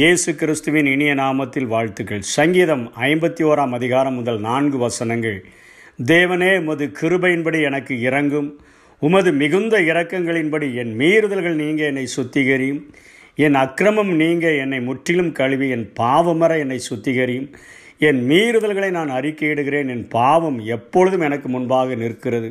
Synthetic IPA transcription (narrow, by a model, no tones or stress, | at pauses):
jeːsɯkɪɾɪst̪ɯʋɪnɪɳɪjɐnaːmɐt̪ːɪlʋaːɻt̪ɯɣɐɭsɐŋɡiːðɐmɐɪmbɐt̪ːioːɾaːmɐðɪɣaːɾɐmːʊðɐlnaːnɡɯʋɐsɐnɐŋɡɐɭ | d̪eːʋɐneːʊmɐðɯkʰɪɾɯbɐjɪnbɐɽiɛnɐkːɯɪɾɐŋɡɯm | ʊmɐðɯmɪɣɯnd̪ɐɪɾɐkːɐŋɡɐɭɪnbɐɽiɛnmiːɾɯðɐlɣɐɭniːŋɡɐɛnːɐɪsʊt̪ːɪɣɐɾɪjɯm | ɛnɐkɾɐmɐmniːŋɡɐɛnːɐɪmʊʈrɪlɯmkɐɻʋiɛnpaːʋɐmɐɾɐɛnːɐɪsʊt̪ːɪɣɐɾɪjɯm | ɛnmiːɾɯðɐlɣɐɭɐɪnaːnɐrɪkːeːɽɯɣɪɾeːnɛnpaːʋɐmɛpːɔɻɯðɯmɛnɐkːɯmʊnbaːɣɐnɪrkːɪrɐðɯ